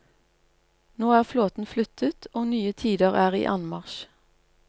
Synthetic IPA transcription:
noːæːʁfloːt̪n̩flʏt̪ʰət̪ʰoːnyːət̪ʰiːd̪əʁæːʁḭːʔɑnmɑʁʃ

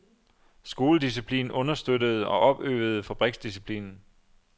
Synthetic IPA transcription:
sɡ̥o̝ːləd̥is̬ipʰlḭːnɔ̽nɐsd̥ødəð̞̩ˠɒ̽ʔɒ̽b̥ø̰ːð̩ˠfæb̥ʁɛɡ̥sd̥isipʰlḭːnn̩

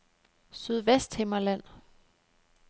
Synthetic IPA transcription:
syð̞ˠʋesd̥hemɐlæn̰

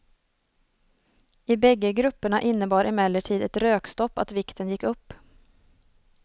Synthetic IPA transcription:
ɪbɛɡːəɡɾɵpːəɳaʔɪnːəbɑːɾʔɪmɛlːəʈʰiːd̪ɛt̪ɾøːkst̪ɔpːa̰t̪vɪkt̪ənjɪkːɵpː

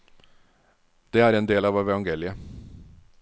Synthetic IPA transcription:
d̪̥eːæːɾɛːnd̪eːlɑːʋɛʋɛʋɑŋɡeːlɪə

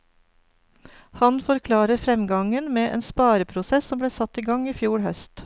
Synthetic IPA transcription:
hɑnfɔɾkʰlɑːɾəɾfɾɛmɡɑŋənmeːʔḛːnspɑːɾəpʰɾʊsɛssɔmbɽeːsɑt̪iːɡɑŋiːfjuːɽhœst̪

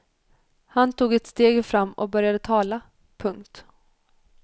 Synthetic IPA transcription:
hant̪ʰuːɡɛt̪st̪eːɡfɾamːɔ̰k̚bœɾjad̪ət̪ʰɑːla | pʰɵŋkt̪

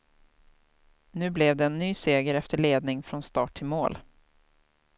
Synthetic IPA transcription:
nʉ̟ːblɛvd̪ɛːnːyːseːɡəɾɛft̪əɭeːd̪nɪŋfɾɔnst̪ɑːʈʰːɪlmoːl

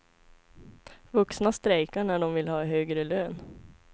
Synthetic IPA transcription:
ʋɵksnast̪ɾæɪkəɳæːɖɔmʋɪlhɑːhøːɡɾəløːn

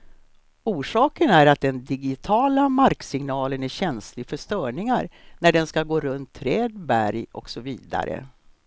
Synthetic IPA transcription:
uːʂɑːkənæɾat̪̚d̪ɛnd̪ɪɡɪt̪ʰɑːlamaɾksɪŋnɑːlənæɾɕɛnslɪɡfœʂt̪œːɳɪŋaɾnæɖɛnskaɡoːɾɵnt̪ʰːɾɛːd̪bæɾjɔ̰ksɔvḭːd̪a̰ɾə̰

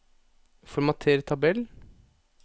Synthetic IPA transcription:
fɔɾmɑt̪ʰeːɾət̪ʰɑbɛl

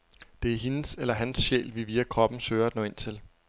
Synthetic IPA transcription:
d̥e̝æɐɦe̝nəselɐɦænsɕḛːlʋiʋiːækʰʁɒ̽b̥n̩søːɐd̥nɒ̽ːen̰t͡sʰe̝l

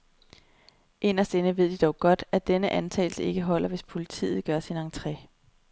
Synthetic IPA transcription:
ʔe̝nɐsd̥enəʋe̝ð̞̰ˠd̥id̥ɒʊɡ̥ɒ̽d̥æd̥enəʔænt͡sʰɛ̰ːlsəe̝ɡ̥əɦɒ̽l̰ɐʋe̝spʰo̝lit͡sʰḭːð̞̩ˠɡ̥ɶɐsinɑŋt͡sʰʁɛ̰ː

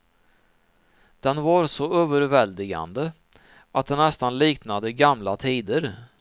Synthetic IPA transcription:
d̪̥ɛnvaɾsɔøːvəɾvɛld̪ɪɡa̰nd̪ə | ʔat̪̚d̪ɛnnːɛst̪anliːknad̪əɡamlat̪ʰiːd̪əɾ

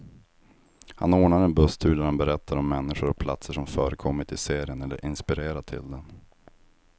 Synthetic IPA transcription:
ha̰noːɳaɾɛnbɵst̪ʰʉːd̪æɾhanbɛɾɛt̪ʰːaɾɔmːɛnːɪɧʊɾɔk̚pʰla̰t̪səʂɔmfœːɾəkʰɔmːɪt̪ɪseːɾɪənɛlːə̰ɾʔɪnspɪɾeːɾat̪ʰɪ̰ld̪ɛn

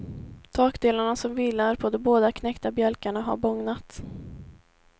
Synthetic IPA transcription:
t̪ʰɑːkd̪eːlaɳasɔmviːlːaɾpʰɔd̪ɔmboːd̪akʰnɛkt̪abjœlkaɳaɦa̰ɾbɔŋnat̪

